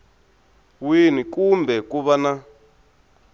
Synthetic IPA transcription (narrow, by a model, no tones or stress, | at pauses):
winikumbʱɛkuβana